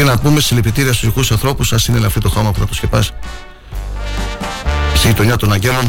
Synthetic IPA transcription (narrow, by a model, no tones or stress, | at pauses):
inɐpume̞st̪isilepit̪iɾiɐst̪uzikusɐnθɾo̞pusɐsineleɐft̪it̪o̞xo̞mɐput̪ɐp̪osce̞pɐs | st̪ijit̪o̞ɲɐt̪o̞nɐɲɟe̞lo̞n